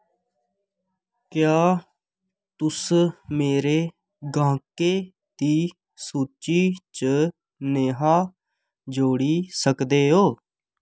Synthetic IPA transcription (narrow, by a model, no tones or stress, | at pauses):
kjaː | t̪ʊsmeːɾeː | ɡãːkeː | t̪iː | suːt͡ʃiːt͡ʃə | neːɦaː | d͡ʒoːɽiːsəkd̪eːɦoː